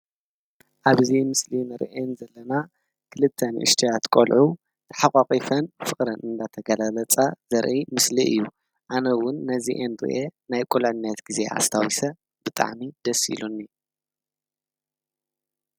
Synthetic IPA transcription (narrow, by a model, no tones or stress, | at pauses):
ʔaβɨzimɨslinɨɾʔenzɐlːɐna | kʰɨlɨt̪ʰːɐnʔɨ̰ʃt̪ʰijat̪kʷʼolʕu | t̪ʰɐ̥ħaqʼaqʼifɐnfɨχʼɾɐnɨnd̪at̪ʰɐɡɐlalɐt͡sʼaz̥ɐɾʔimɨsliʔɨ̰jːu | ʔanɐwʊnːɐziʔendɨɾ̰ʔenajkʼulʕɨnːɐt̪ɡ̥ize̞ʔa̰st̪ʰawisɐ | b̥ɨt̪ʼa̰ʕmid̪̥ɐsḭlunːi